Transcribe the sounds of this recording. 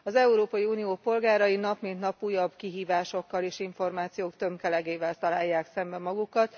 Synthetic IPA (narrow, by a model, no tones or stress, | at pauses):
ɒzɛuɾoːpɒjiuːnijoːpo̞lɡaːɾɒjinɒpmint̪nɒpuːjɒbkiɦiːvaːʃo̞kːɒleːʃiɱfo̞rmaːt̪sijoːkt̪ø̞mkɛlɛɡeːvɛlt̪ɒlaːjːaːksɛmbɛmɒɡukɒt̪